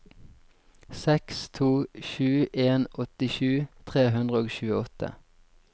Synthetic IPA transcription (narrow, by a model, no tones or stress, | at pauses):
sɛkst̪ʰuːʃʉːʔeːnɔt̪ɪʃʉːt̪ʰʁeːɦʉnd̪ʁəoːɡʃʉːəɔt̪ə̰